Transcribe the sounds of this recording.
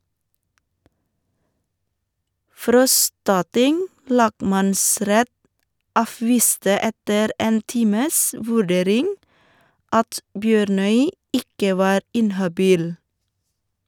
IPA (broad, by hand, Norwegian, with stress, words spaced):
ˈfɾɔstɑˌtɪŋ ˈlɑːɡˌmɑnˌsɾɛt ˈɑːˌfʋiːstə ˈɛtəɾ ˈeːn ˈtiːməs ˈʋʉˌɖeːɾɪŋ ˈɑt ˈbjøːɾˌnœʏ ˈɪkə ˈʋɑːɾ ˈɪnhɑˌbiːl